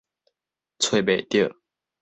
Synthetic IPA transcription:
t͡sʰwe˥˨ɪpe˨ɪt̪jə˥˨

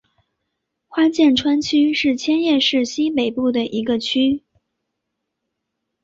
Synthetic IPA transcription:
xwa˥t͡ɕjɛ˥˩nʈ͡ʂʰwa˥nt͡ɕʰy˥ʂɻ̩˥˩t͡ɕʰjɛ˥njɛ˥˧ʂɻ̩˥˩ɕi˥pe˨˩ɪpu˥˩d̪ə˩ʔi˧˥ɡə˧t͡ɕʰy˥

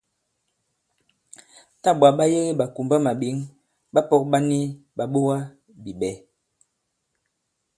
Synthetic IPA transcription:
ta˦˨ɓa˨ɓa˦je˦ɣe˦ɓa˨ku˨mba˦ma˨ɓi˨˦ŋ | ɓa˦pɔ˦k̚ɓa˦ni˦ | ɓa˨ɓo˦wa˦ | bi˨ɓɛ˨˦

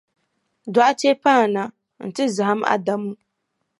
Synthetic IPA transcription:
da˨ʔa˦te˦paː˦˨na˨ | n̩˨tɪ˦za˨ha˦ma̰˨da˦mu˦

